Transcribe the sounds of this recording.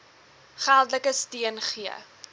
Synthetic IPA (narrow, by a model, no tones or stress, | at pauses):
χælˠdləkəstiənχiə̰